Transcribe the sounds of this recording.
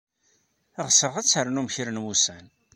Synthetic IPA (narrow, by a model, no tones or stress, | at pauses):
əʁsəʁæt͡sːhəɾnumçəɾənwusæn